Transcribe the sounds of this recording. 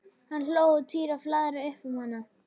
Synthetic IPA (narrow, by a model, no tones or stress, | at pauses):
hanl̥oːwʏt̪ʰiːɾaflaːðɾɪʏhpʏmhanːa